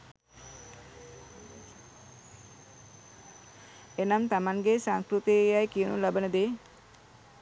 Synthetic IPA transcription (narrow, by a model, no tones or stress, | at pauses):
enamt̪amaŋɡesaŋskɾut̪ejajkijənṵlabənəd̪e